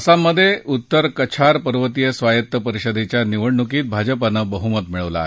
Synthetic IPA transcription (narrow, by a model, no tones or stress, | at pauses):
samːəd̪ʱːjeʔut̪ːəɾkət͡ɕʰaɾpəɾʋət̪ijəsʋajət̪ːəpəɾiɕəd̪ʱet͡ɕjaniʋəɽɳukiːt̪̚bʱad͡ʑəpanːəbəɦumət̪miɭəʋla̰ːɦe